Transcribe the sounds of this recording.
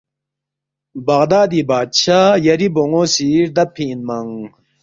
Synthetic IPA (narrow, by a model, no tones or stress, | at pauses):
bɐɣd̪aːd̪ibaːt̪ɕʰaːjɐɾiboŋoːsiːɾd̪ɐpʰiːnmɐŋ